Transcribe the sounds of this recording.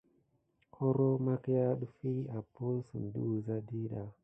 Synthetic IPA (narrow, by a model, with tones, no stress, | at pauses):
kʰo˦ɾo˦ma˦kja˦ɗu˦fi˦a˨pu˦n˦sṵ˨n˨du˦˨za˦di˦ɗa˨